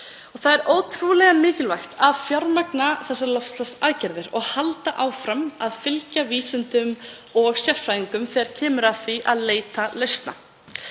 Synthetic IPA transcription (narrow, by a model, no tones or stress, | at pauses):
ɔɣθaðɛɾoːwt̪ʰɾulɛɣamɪːcɪlvajxt̪aðfjɔɾmaknaθɛsːalɔft̪slasaðcɛɾðɪɾɔ̰ɣhalt̪aʔaːwfɾamaðfɪlcaviːsɪnt̪ʏm | ɔɣsjɛ̥fɾajðiŋkʏmfɛɾ̥cʰɛːmʏɾafiʔa̰ðleːjt̪alœɥst̪na̰